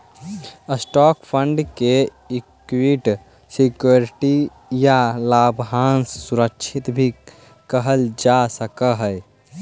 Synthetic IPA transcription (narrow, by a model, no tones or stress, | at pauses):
əsʈɔkpʰəɳɖke | ikwiʈ | sikjoɾiʈi | jalabʱɦansːuɾəkt͡ʃʰit̪bʱi | kəɦəld͡ʒasəkəɦəj